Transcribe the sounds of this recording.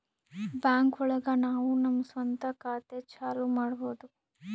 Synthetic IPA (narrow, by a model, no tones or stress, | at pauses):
bjaːŋkɔɭɐɡɐnaːʋunɐmːɐsʋɐnt̪ɐkaːt̪et͡ʃaːlumaːɽɐboːd̪u